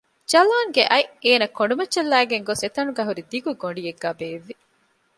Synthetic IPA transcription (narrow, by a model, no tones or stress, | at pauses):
d͡ʒɐlaːŋɡeʔɐjeːnɐkːoɳɖumɐtːʃɐlːæːɡeŋɡoset̪ɐnuɡæːɦuɾid̪iɡuɡoɳɖijeɡːæːbeːʋːi